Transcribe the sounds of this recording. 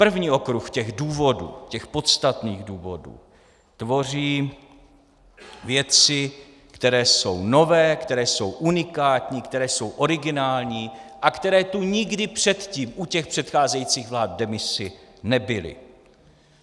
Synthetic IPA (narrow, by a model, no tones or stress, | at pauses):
pr̩vɲiːʔo̞kɾuxcɛɣduːvo̞dṵːcɛxpo̞t̪st̪at̪niːɣduːvo̞dṵː | t̪vo̞r̝iː | vjɛt͡sɪ | kt̪ɛɾɛːso̞̰wno̞vɛːkt̪ɛɾɛːso̞wʔunɪkaːt̪ɲiːkt̪ɛɾɛːso̞wʔo̞ɾɪɡɪnaːlɲiːʔakt̪ɛɾɛːt̪uɲɪɡdɪpr̝̥ɛt̪ciːmʔucɛxpr̥ɛt̪xaːzɛjiːt͡siːɣvlaːt̪̚dɛmɪsɪnɛbɪlɪ̰